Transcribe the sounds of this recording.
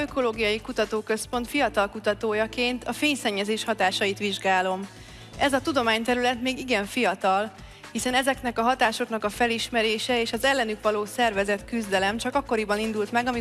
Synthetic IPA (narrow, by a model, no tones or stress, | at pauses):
øko̞loːɡijɒjikut̪ɒt̪oːkø̞spo̞nt̪fijɒt̪ɒlkut̪ɒt̪oːjɒkeːnt̪ɒfeːɲsɛɲːɛzeːʃhɒt̪aːʃɒjit̪ʋiʒɡaːlo̞m | ɛzɒt̪ud̪o̞maːɲt̪ɛɾylɛt̪meːɡiɡɛɱfijɒt̪ɒl | hisɛnɛzɛknɛkɒɦɒt̪aːʃo̞knɒkɒfɛliʃmɛɾeːʃɛeːʃɒzɛlːɛnykʋɒloːsɛrvɛzɛt̪kyzd̪ɛlɛmt͡ʃɒkɒkːo̞ɾibɒnind̪ult̪mɛɡɒmi